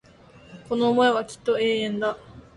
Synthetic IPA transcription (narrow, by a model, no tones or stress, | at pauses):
ko̞no̞ːmoeβakʲi̥t̪ːo̞e̞ːẽnd̪a